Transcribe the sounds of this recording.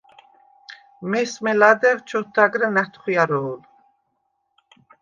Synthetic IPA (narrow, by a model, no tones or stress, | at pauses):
mɛsmɛlad̪ɛvt͡ʃʰɔt̪ʰːaɡɾɛnɛht̪ʰχujaɾɔːl